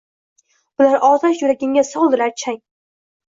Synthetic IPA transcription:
bʊlaɾɒt̪ʰaʃjʊɾaɡʲɪŋɡʲasɒlˠd̪ɪlaɾt͡ʃʰaŋ

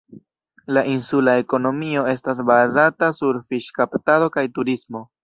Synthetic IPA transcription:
laʔinsulae̞ko̞no̞mio̞e̞stas̬bazatasuɾfiʃkaptado̞kajtuɾismo̞

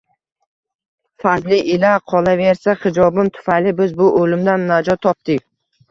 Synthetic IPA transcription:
fazlɪʔɪlaqʰɒlaveɾsaχɪd͡ʒɒbɪmt̪ʰʊ̥fajlɪbɪzbʊʔolɪmd̪anːad͡ʒɒt̪ʰːɒp̚t̪ɪkʲ

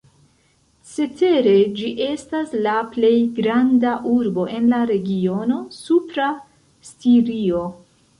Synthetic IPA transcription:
t͡se̞te̞ɾe̞d͡ʒiʔe̞staslaple̞jɡɾandaʔuɾbo̞ʔe̞nlaɾe̞ɡio̞no̞supɾa | stiɾio̞

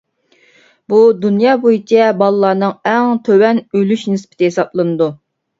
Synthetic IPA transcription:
bud̪unjɑːbojit͡ʃʰɛbɑlˠɨlˠːɑːnɨŋɛŋt̪ʰøwɛnølyʃnɨspʰɪ̥t̪ʰɪɦesɑplˠɨnɨd̪u

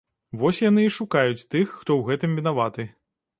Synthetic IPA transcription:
vɔsʲjanɨːʂukajut͡sʲt̪ɨxːt̪ɔwɣɛt̪ɨmvʲin̪avat̪ɨ

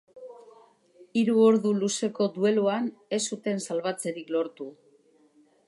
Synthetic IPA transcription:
iɾuoɾðuluse̞ko̞d̪ue̞luane̞sut̪e̞nsalβ̞at͡se̞ɾiklo̞ɾt̪u

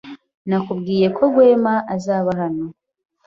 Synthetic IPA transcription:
nakubɡiːje̞kʰo̞ɡwe̞ːmaʔazaːβahano̞

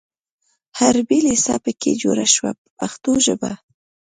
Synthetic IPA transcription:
haɾbilisɑpəkʰed͡ʒoɾaʃwa | paxt̪oʒəba̰

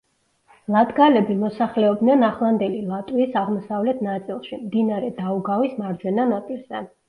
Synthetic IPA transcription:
lˠad̪ɡalɛbimɔsaχlɛɔbnɛnaχlˠand̪ɛlilˠat̪ʼwiːsaʁmɔsavlɛt̪ʰnat̪sʼilˠʃimd̪inaɾɛd̪auɡavismaɾd͡ʒwɛnanat̪ʼilˠsd̪ʰan

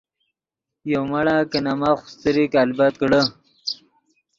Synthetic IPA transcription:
jowmaɽakənamaxʊ̥st̪əɾikalbat̪̚kɽə

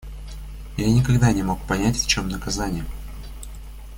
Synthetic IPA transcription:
janʲɪkɐɡd̪anʲɪmo̞k̚pɐnʲætʲft͡ɕo̞mnəkɐzanʲɪjə

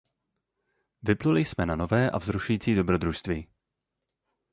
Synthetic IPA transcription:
vɪplulɪjsmɛnano̞vɛːʔa̰vzɾuʃujiːt͡siːdo̞bɾo̞d̪ɾuʃst̪viː

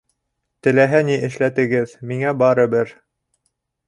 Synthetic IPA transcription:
t̪ɘ̆læɦæniʔɘ̆ʃlæt̪ɘ̆ɡɘðmiŋæbɑɾɤ̆bɘɾ

